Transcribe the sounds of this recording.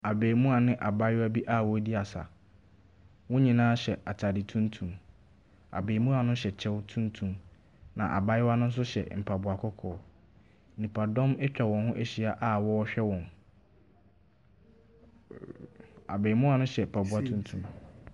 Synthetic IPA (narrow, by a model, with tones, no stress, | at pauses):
a˨beː˨mũ˦a˨nɪ̃˦ʔa˨ba˦jɪ˦wæ˦bi˦ʔa˦˨wɔ˦di˦a˨sa̰˨ | wɔ̃˦ɲĩ˨nãː˦ɕɛ˨ʔa˨tʰa˨dɪ˨tʰũ˦ntʰũ˨m | a̰˨beː˨mũ˦a˨nʊ̃˦ɕɛ˨t͡ɕʰɛ˦wtʰũ˦ntʰũ˨m | nã̰˨ʔa̰˨ba˦jɪ˦wa˦nʊ̃˦n̩˦s̬ʊ˦ɕɛ̰˨m̩˨pʰa˨bʊ˨a˨kʰɔ˦kʰɔː˨˦˨ | nĩ˨pʰa˨dɔ̃˦mɛ˦t͡ɕᶣa˨wɔ̃˨nhʊ̃˦ʔe˦ɕi˨a˨ʔa˦wɔ˦ɔ˦ɕᶣɛ˦wɔ̃˨n | a̰˨beː˨mũ˦a˨nʊ̃˦ɕɛ˨pʰa˨bʊ˨a˦tʰũ˦n˦tʰũ˨m